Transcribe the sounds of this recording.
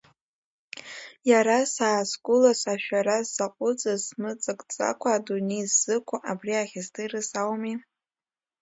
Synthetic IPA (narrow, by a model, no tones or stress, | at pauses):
jaɾasaːskʷʼʊlasaʃᶣaɾazaqʷʼʊt͡sʼasmɨt͡sʼɨkʼt͡sʼa̰kʷʰaːdunejzːɨkʷʰʼaʔabriaχʲazdɨrɨsawmi